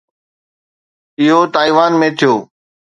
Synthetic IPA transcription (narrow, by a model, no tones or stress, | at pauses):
ɪɦot̪aːiːʋaːnmẽːt̪ʰɪjoː